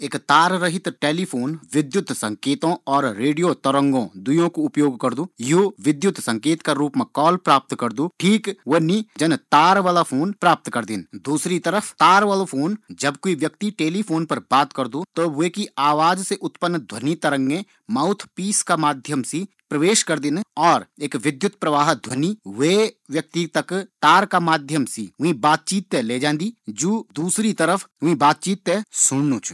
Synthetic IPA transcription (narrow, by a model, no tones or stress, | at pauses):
eːkt̪aːɾɾəɦɪt̪ʈeːlipʰoːnʋɪd̪jʊt̪sɐ̃ŋkeːt̪õɔːɾːeːɖijot̪ɐɾə̃ŋɡõd̪ʊjõkoʊpjoːɡkɐɾd̪uːjoːʋɪd̪jʊt̪sɐ̃ŋkeːt̪kaɾuːpmẽkɔːlpɾaːp̚t̪kɐɾd̪uʈʰiːkʋonid͡ʒɐnt̪aːɾʋaːlapʰoːnpɾaːp̚t̪kɐɾd̪ɪnd̪uːsɾit̪əɾəfʰt̪aːɾʋaːlopʰoːnd͡ʒɐbkoiʋjɐkt̪iʈeːlipʰoːnpɐɾbaːt̪kəɾd̪ot̪oʋeːkiaːʋaːd͡ʒseʔʊt̪pənːd̪ʱwənit̪ɐɾə̃ŋɡe | maʊt̪ʰpiːskamaːd̪ʱjəmsi | pɾəʋeːʃkɐɾd̪ɪnɔːɾeːkʋɪd̪jʊt̪pɾəʋaːɦd̪ʱwəniʋeʋjɐk̚t̪it̪ɐkt̪aːɾkamaːd̪ʱjəmsḭːʊɦĩbaːt̪̚t͡ʃiːt̪ːɛleːd͡ʒãːnd̪iːd͡ʒuːd̪uːsɾit̪əɾəpʰɦʊɦĩbaːt̪̚t͡ʃiːt̪ːɛ̃sʊnnũt͡ʃʰ